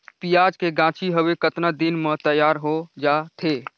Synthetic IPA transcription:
pijaːd͡ʒkeɡãːt͡ʃʰiɦəʋekət̪nad̪inmə̃t̪əjaːɾɦod͡ʒaːt̪ʰe

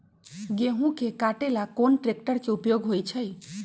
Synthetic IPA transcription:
ɡeɦũkekaʈelakonʈɾek̚ʈəɾkeupjoɡɦojt͡ʃʰəj

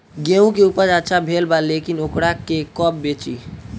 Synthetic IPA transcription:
ɡeũkeupəɾd͡ʒat͡ʃʰabʱelbalekinokɽakekɔpbet͡ʃḭ

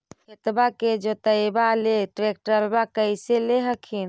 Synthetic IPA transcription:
kʰet̪baked͡ʒot̪əjbaleʈɾek̚ʈɾəlbakəɪseleɦəkʰin

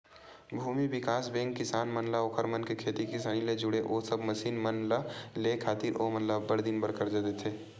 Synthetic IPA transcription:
bʱuːmibɪkaːsbẽːŋɡ̚kɪsaːnmɐnlaokʰəɾmɐnkekʰeːt̪ikɪsaːniled͡ʒʊɽeʔoːsəbmɐʃiːnmɐnlalekʰaːt̪iɾʔoːmɐnlabəɽd̪ɪnbəɾkəɾd͡ʒat̪et̪ʰeː

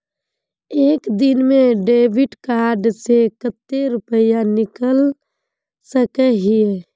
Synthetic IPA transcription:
eːkd̪ɪnmẽɖeːbɪɖkaːɾɖsekət̪ːeɾʊpəjanɪkəl | səkeɦɪe

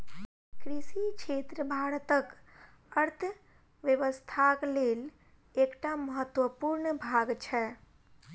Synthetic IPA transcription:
kɾisikt͡ʃʰet̪ɾəbʱaɽət̪ək | əɾt̪ʰə | ʋjəʋəst̪ʰaklel | ekʈaməɦət̪wəpuɾɳəbʱaɡt͡ʃʰɛ

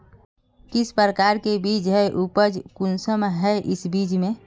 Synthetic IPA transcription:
kispəɾəkaɾkebid͡ʒɦɛʔupəd͡ʒkunsəmɦɛʔisbid͡ʒmẽ

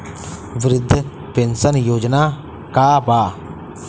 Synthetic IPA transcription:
ʋɾɪd̪ʱː | pensənjoːd͡ʒnaː | kaːbaː

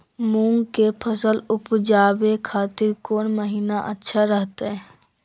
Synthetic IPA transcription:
mũːŋɡkepʰəsəlʊpd͡ʒaːbekʰaːt̪ɪɾkoːnməɦiːnaʔətːʃʰaɾəɦt̪eɦɛ̃

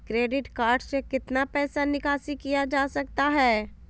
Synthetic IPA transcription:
kɾeːɖɪʈkaːɾɖsekɪt̪napɛːsanɪkaːsikijad͡ʒaːsɐkt̪aɦɛː

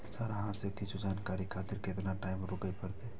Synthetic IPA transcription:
səɾɦãsekɪt͡ʃʰud͡ʒaːnkaːɾikʰaːt̪ɪɾket̪naʈaːɪmɾʊkəipəɾt̪eː

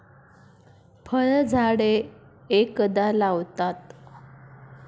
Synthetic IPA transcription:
pʰəɭd͡zʱaɽe | ekəd̪alaʋt̪at̪

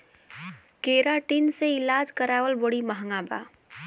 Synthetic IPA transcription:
keːɾaʈinseɪlaːd͡ʒkəɾaːwəlboɽiməɦŋɡaba̰ː

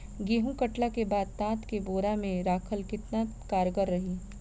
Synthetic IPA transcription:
ɡeːɦũkɐʈlakebaːd̪̚t̪ãːt̪keboːɾamẽɾaːkʰəlkɪt̪nakaːɾɡəɾːɐɦiː

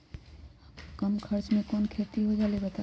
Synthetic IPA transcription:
kɐmkʰɐɾt͡ʃmẽkɔːnkʰeːt̪iɦod͡ʒaːleɡət̪a

